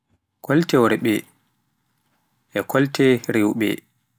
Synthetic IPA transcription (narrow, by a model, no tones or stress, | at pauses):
kɔltɛwɾɛɓɛ | ʔɛkʰɔltɛɾewɓɛ̰